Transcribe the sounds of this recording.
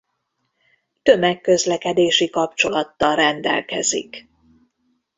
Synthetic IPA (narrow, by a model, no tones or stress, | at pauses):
t̪ø̞mɛkːø̞zlɛkɛd̪eːʃikɒp̚t͡ʃo̞lɒt̪ːɒlrɛnd̪ɛ̰lkɛ̰zḭk